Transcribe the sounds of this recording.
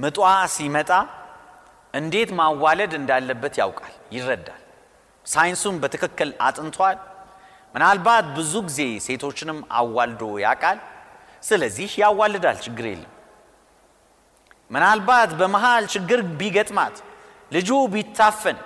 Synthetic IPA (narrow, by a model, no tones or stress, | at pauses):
mɨt̪ʼwasimət̪ʼa | ʔɨnd̪e̞t̪mawːaləd̪ɨnd̪alːəbːət̪ja̰wkʼaljɪrːəd̪ːa̰l | sajɪnsunbət̪ʰɨkʰɨkːɨla̰t̪ʼɨnt̪ʰwal | mɨnalbat̪bɨzuɡize̞se̞t̪ʰo̞t͡ʃːɪnɨmːa̰wːald̪o̞ja̰kʼal | sɨləzːihjawːalːɨd̪a̰lt͡ʃɨɡːɨɾe̞̰lːəm | mɨnalbat̪bəmaɦalt͡ʃɪɡːɨɾbiɡət̪ʼma̰t̪ | lɨd͡ʒubit̪ʰːafːən